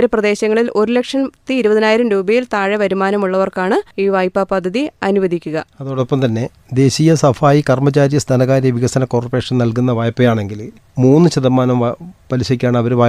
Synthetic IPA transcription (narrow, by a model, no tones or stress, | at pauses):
ɾɐprɐd̪e̞ːɕɐŋːɐɭilʔo̞ɾule̞kʂɐnt̪ːiːɾubɐðinaːjiɾɐmɾuːbɐjilt̪aːɻɐʋɐɾumaːnɐmuɭːɐʋɐrkaːɳɨiːʋaːjpːapɐd̪ʱːɐðiɐnuʋɐd̪ʱikʲːuɣɐɐðoːɽopːɐmt̪ɐnːe̞ | d̪e̞ːɕijɐsɐfaːjikɐrmɐt͡ɕaːɾijɐst̪ʰaːnɐɣaːɾjɐʋiɣɐsɐnɐko̞ːrupːeːʂɐnnɐlkunːɐʋaːjɐpːɐjaːɳe̞ŋɡil | muːnːɨɕɐðɐmːaːnɐmpɐɾiɕɐikʲːaːɳɨɐʋɐɾʋaː